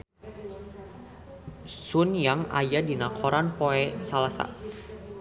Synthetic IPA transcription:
sʊnjaŋa̰jadinakʰɔɾanpoɛsalasa̰

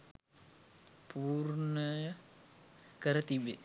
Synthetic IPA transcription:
pʰuːrnəjə | kəɾət̪ibe

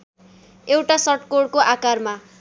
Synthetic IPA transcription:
ewʈasʌʈkoɽkoʔakarma

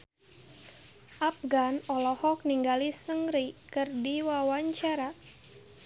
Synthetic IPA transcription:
ʔap̚ɡanɔlɔhɔk̚niŋɡalisəŋɾikɨrdiwawaɲt͡ʃaɾa

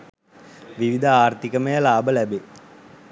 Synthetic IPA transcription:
ʋiʋid̪ʱəaːrt̪ikəməjəlaːbəlæbe

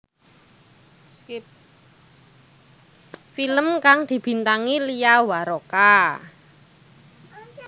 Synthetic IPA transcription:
filəmkaŋd̪̥i̤b̥i̤nt̪aŋiliawaɾoka

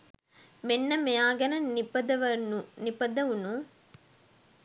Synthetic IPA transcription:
menːɐmejaːɡɐnɐnipɐd̪ɐʋɐnunipɐd̪ɐʋunu

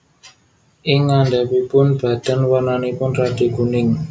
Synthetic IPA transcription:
ʔɪŋːandapipʊnb̥a̤d̪̥a̤nwananipʊnrad̪̥e̤ɡ̥ṳnɪŋ

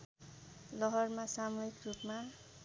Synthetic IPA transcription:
lʌɦʌrmasamuɦikrupma

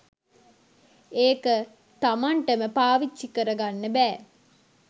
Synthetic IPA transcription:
eːkə | t̪amaɳʈəməpaːʋit͡ʃsikəɾəɡanːəbɛː

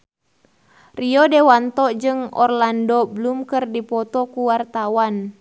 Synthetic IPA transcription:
riɔdewant̪ɔd͡ʒɨŋɔ̰rlandɔbəlumkɨrdipɔt̪ɔkuwart̪awan

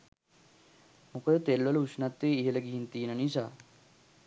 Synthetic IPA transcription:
mukəd̪ət̪elʋələuʃnat̪ːʋeːiɦeləɡiɦint̪iːnənisa̰ː

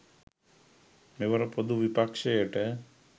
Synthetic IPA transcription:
meʋəɾəpod̪uʋipakʂejəʈə

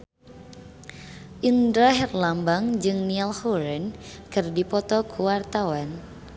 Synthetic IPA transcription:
ʔindɾaɦɛrlambaŋd͡ʒɨŋnialhuɾɛnkɨrdipɔt̪ɔkʰuwart̪awan

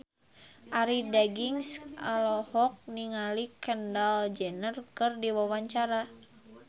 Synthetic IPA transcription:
ʔaɾidaɡiŋsalɔhɔk̚niŋalikəndald͡ʒənərkɨrdiwawaɲt͡ʃaɾa

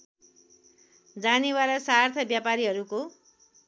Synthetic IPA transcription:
d͡zaniwaɾʌsart̪ʰʌbjapaɾiɦʌɾuko

